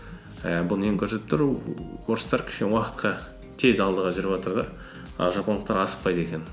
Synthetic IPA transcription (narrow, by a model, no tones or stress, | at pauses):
əbʊləeŋkʲʰɵɾset̪ɪpt̪ʰɪɾuwoɾəst̪ɑɾkʲʰɪ̥ʃkʲewɑqə̥t̪qɑ | t̪ʰe̞zɑlˠd̪əʁɑʒʏɾɪpʒɑt̪əɾd̪ɑ | ɑ̰ʒɑpɑnlˠəqt̪ɑɾɑsə̥q̚pɑjd̪əe̞kʲe̞n